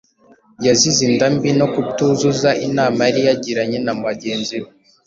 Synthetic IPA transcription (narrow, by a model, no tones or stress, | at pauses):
jazizindambino̞kutuzuzaʔinaːmaɾijaɟiɾaɲe̞namaɟe̞ːnziɾo